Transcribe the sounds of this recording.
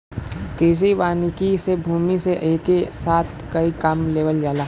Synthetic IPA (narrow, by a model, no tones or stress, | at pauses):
kiːs̬ibaːnikisebʱuːmiseʔeːkesaːt̪ʰkɐikaːmleːʋəld͡ʒaːlaː